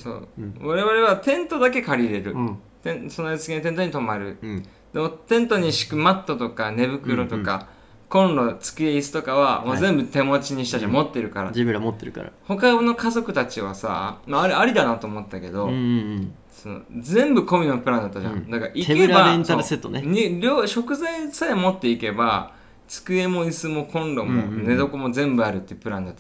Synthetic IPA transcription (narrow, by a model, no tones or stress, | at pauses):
so̰ːβaɾe̞βaɾe̞βat̪ẽ̞nt̪o̞d̪ake̞kaɾʲiɾe̞ɾɯ̟ | t̪ẽnsonoasɨ̥ɡʲent̪ent̪̬oɲ̟it̪o̞maɾɯ̟ | d̪̥e̞mo̞t̪ẽ̞nt̪o̞ɲ̟iɕi̥kɯ̟mat̪ːo̞t̪o̞kane̞bɯ̟kɯ̟ɾot̪o̞ka̰ | kõ̞nɾo̞t͡sɨ̥kʲieisɨ̥t̪o̞kaβamozẽ̞mbɯ̟t̪e̞mo̞t͡ɕiɲ̟iɕi̥t̪aʑãmo̞t̪ːe̞ɾɯ̟kaɾa̰d͡ʑibɯɾamot̪ːeɾɯka̰ɾa̰ho̞kaɡono̞kazo̞kɯ̟t̪at͡ɕiβ̞asa̰maːɾeaɾʲid̪anat̪oːmo̞t̪ːake̞d̪o̞ | sono̞̰zẽ̞mbɯ̟ko̞mʲinopɯ̟ɾãnd̪at̪ːaʑã̰d̪akaɾaʔikeɾbaẽnst̪aɾɯset̪ːoneɲɾʲoːɕo̞kɯ̟zaisaemo̞t̪ːe̞ike̞ba | t͡sɨ̥kɯ̟e̞mo̞isɨmo̞kʰõ̞nɾo̞mo̞ne̞d̪o̞komo̞zẽ̞mbɯ̟aɾɯ̟t̪ːe̥pɯ̟ɾãnd̪at̪ː